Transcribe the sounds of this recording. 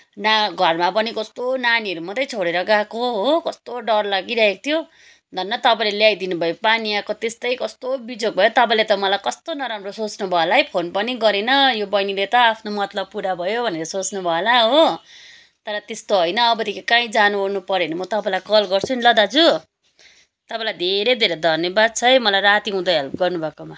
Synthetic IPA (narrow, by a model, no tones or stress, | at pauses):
naɡʱʌrmapʌnikʌst̪onaniʌɾumʌd̪ʱʌjt͡sʰoɽeɾʌɡakoɦokʌst̪oɖʌrlaɡiɾaɦeko̥t̪ʰjo | d̪ʱʌnːʌt̪ʌpãĩleljajd̪inubʱʌjopaniakot̪est̪ʌjkʌst̪obid͡zok̚bʱʌjot̪ʌpãĩlet̪ʌmʌlajkʌst̪onʌɾamrosot͡snubʱʌelajpʰonpʌniɡʌɾenʌjobʌjnilet̪ʌapʰnomʌt̪lʌb̚puɾabʱʌjobʱʌneɾʌsot͡snubʱʌelaɦo | t̪ʌɾʌt̪est̪oɦʌjnʌːbʌt̪ikekãĩd͡zanuonupʌɾjenʌmʌt̪ʌpãĩlajkʌlɡʌrt͡sʰunilʌd̪at͡sʰu | t̪ʌpãlajd̪ʱeɾejd̪ʱeɾed̪ʱʌnjʌbad̪̚t͡sʰʌjmʌlajrat̪iɦũd̪ʌɦʌlpɡʌrnubʱʌkoma